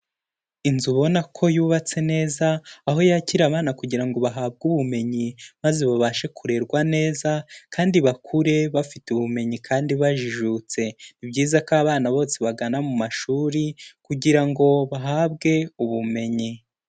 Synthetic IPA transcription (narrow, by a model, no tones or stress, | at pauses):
inzuβo̞nakʰo̞juːβat͡se̞ne̞ːzaːɦo̞jaciɾaβaːnakuɟiɾaŋɡo̞βaɦaːb̚ɡuβume̞ɲimaze̞βaβaʃe̞kʰuɾe̞ɾɡwane̞ːzakaːndiβakʰuɾe̞βafituβume̞ɲikʰaːndiβaʒiʒut͡se̞nibɟiːzakaːβaːnaβo̞ːse̞βaɡanamumaʃuːɾikuɟiɾaŋɡo̞βaɦaːbɡe̞uβume̞ɲi